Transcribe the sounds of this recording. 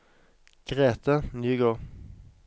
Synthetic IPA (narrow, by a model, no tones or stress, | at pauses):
ɡ̥ʁeːt̪ʰənyːɡoːʁ